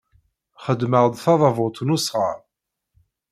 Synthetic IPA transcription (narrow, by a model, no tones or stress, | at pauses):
χəd̪məʁd̪ˤθɑðˤɑvʊt̪ˤnusʁɑɾˤ